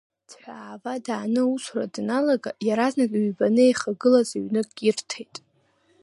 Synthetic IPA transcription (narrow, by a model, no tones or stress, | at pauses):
dʰħʷᶣaaːvadaːnɨusra̰dnalaɡajaɾaznakʲʼɥbanɨejχaɡɨlazaɥnɨkʼirtʰejtʼ